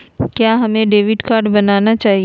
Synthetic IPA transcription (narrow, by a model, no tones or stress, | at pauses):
kjaːɦɐmẽɖeːʋɪɖkaːɾɖbɐnaːnat͡ʃaːɦi